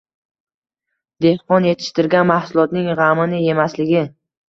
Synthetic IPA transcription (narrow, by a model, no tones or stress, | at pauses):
d̪e̞hqɒnje̞t̪ʰɪ̥ʃt̪ɪɾɡʲanmahsʊlˠɒt̪nɪŋʁamɪnɪje̞maslɪɡʲɪ